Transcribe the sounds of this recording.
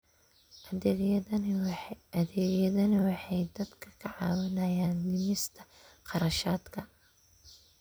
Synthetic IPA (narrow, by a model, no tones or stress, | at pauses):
ɐðɛːɣjɐðɐnɐwɑħɑjd̪ɐd̪kʰɐ̥kʰɐʕɑ̰ːwɪnɐjaːnlɪmɪst̪ʰɐ | qɑɾɐʃaːd̪kʰɐ